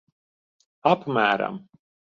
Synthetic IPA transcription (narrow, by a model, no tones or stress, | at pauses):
apmʲæːɾa̰m